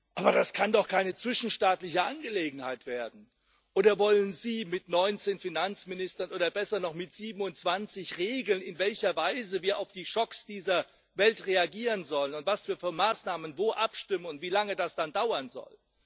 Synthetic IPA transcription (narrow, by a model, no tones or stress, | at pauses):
ʔaːbɐdaskʰandɔχkʰaɪnət͡sv̥ɪʃn̩ʃtaːtlɪçəʔanɡəleːɡŋ̩haɪtv̥eːɐdn̩ | ʔʔoːdɐvɔlənziːmɪtnɔʏnt͡seːnfinant͡smɪnɪstɐnʔoːdɐbɛsɐnɔχmɪtz̥iːbm̩ʊntt͡sv̥ant͡sɪçʁeːɡl̩nɪnvɛlçɐvaɪzəviːɐʔaʊfd̥iːʃɔksd̥iːzɐ | vɛltʁeaɡiːʁənzɔlənʊntv̥asv̥iːɐfyːɐmaːsnaːmənvoːʔapʃtɪmənʊntv̥iːlaŋədasd̥andaʊɐnzɔ̰l